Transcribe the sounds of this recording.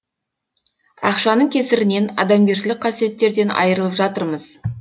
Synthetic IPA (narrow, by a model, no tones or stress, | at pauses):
ɑ̰qʃɑnəɴkʲʰe̞sɪɾɪne̞nɑ̰d̪ɑmɡʲe̞ɾʃɪlɪk̚qʰɑsije̞t̪ːe̞ɾd̪e̞nɑ̰jəɾəlˠəpʒɑt̪əɾməz̥